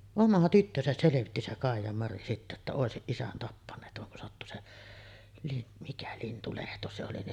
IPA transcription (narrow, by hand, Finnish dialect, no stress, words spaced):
omɑ tytːøsæs seleʋitːi se kɑˑijˑɑmɑri sitːæ etːæ oˑesiʔ ʔisæn tɑpːɑnˑeːt ʋɑŋ kun sɑtːu se lin mikæ lintulehto se oli ni